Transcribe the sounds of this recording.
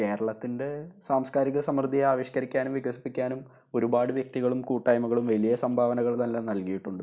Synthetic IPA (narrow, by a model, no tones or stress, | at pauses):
ke̞ːɾɐɭɐt̪ːinde̞saːmskaːɾiɣɐsɐmrɨd̪ʱːiaːʋiɕɐkɐɾikʲːaːnumʋiɣɐsi̥pːikʲːaːnum | o̞ɾubaːɽɨʋjek̚t̪iɣɐɭumkuːʈːaːjmɐɣɐɭumʋɐlijɐsɐmbʱaːʋɐnɐɣɐɭt̪ɐnlenɐlkijiʈːuɳɖɨ